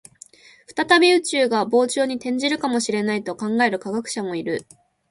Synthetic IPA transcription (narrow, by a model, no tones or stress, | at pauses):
ɸɯ̟̥t̪at̪abʲeɯ̟t͡ɕɨːɡabo̞ːt͡ɕoːɲ̟it̪ẽ̞ɲ̟d͡ʑiɾɯ̟kamo̞ɕiɾe̞nait̪o̞kãŋɡae̞ɾɯ̟kaɡakɯ̟̥ɕamo̞iɾɯ̟